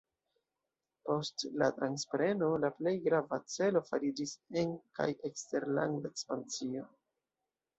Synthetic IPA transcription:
po̞stla̰tɾanspɾe̞no̞laple̞jɡɾavat͡se̞lo̞faɾid͡ʒisenka̰jekste̞ɾla̰ŋɡdaekspant͡sio̞

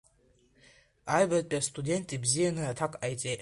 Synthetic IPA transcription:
ajvat̪ʼpʼast̪ʼudʲent̪ʼibzijanɨat̪ʰakʼajt͡sʼe

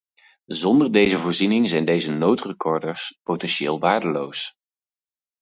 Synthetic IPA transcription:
zɔndəɹdejzəvʊːɹzinɪŋzɛjndejzənowtrəkɔɹdəɹspowtɛnʃɪ̰ːlˠʋaːɹdəlows

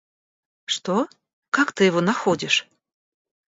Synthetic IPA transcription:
ʂt̪ɔ | kakt̪ɨjɪvɔnaxodʲɪʂ

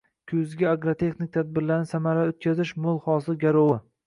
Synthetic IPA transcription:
kʲʰɵzɡʲaaɡɾot̪ʰe̞χnɪk̚ʲt̪ʰad̪̚bɪɾlaɾnɪsamaɾaot̪̚kʲʰazɪʃmʊlˠhɒsɪɡʲaɾowɪ

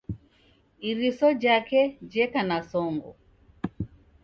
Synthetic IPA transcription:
iɾisɔd͡ʒakɛd͡ʒɛkanasɔŋɡɔ̰

